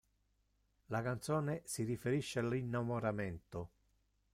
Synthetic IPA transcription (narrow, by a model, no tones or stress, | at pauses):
lakant̪sɔːnesirifeɾiʃːealinːamoɾamɛnt̪ʊ